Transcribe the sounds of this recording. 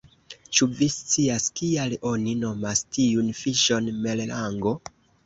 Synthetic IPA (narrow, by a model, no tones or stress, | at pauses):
t͡ʃuvist͡siaskialo̞nino̞mastiunfiʃo̞nmellaŋɡo̞